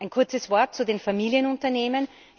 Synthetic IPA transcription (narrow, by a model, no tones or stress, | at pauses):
ʔaɪnkʰʊɐt͡səsv̥ɔɐt̚t͡sudeːnfamiːliənʊntɐneːmən